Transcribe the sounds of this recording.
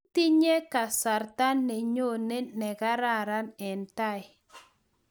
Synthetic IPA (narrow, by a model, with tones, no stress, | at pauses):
ti˦ɲe˦ka˨sa˨ɾta˦nːe˨ɲo˦˨ne˦nɛ˨ɡa˦ɾa˦˨ɾa˦nɛ˨nta˦ɪ˨